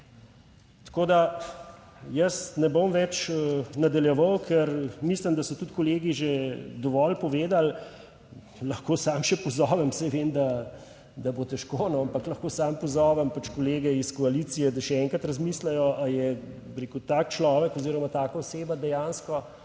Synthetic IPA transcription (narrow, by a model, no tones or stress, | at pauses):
t̪koːd̪a | jəsnɛbomʋɛt͡ʃnad̪aljɛʋɐwkʰɛɾmisləmd̪asɔt̪ut̪kɔleːɡiʒed̪ɔʋɔlpɔʋeːd̪al | lɐxkoːsaːmʃɛpɔzɔːʋɛmsɛʋeːnd̪a | d̪abot̪ɛʃkonoampɐklɐxkoːsaːmpɔzɔːʋɛmpat͡ʃkɔleːɡɛiskɔalit̪sijɛd̪aʃɛɛŋkɾɐt̪ɾɐzmiːslɛjɔʔajɛ | bɾekut̪aːk̚t͡ʃlɔːʋɛkɔziːɾɔmat̪aːkaoseːbad̪ɛjanskɔ